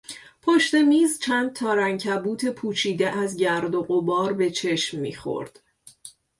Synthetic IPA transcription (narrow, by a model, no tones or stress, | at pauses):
pʰoʃt̪e̞miːzt͡ʃʰænd̪̚t̪ʰɒːɾæŋcʰæbuːt̪ʰe̞pʰuːt͡ʃʰiːd̪e̞ʔæzɟæɾd̪oɣobɒːɾbe̞t͡ʃʰe̞ʃmːḭːχo̞̰ɾd̪̥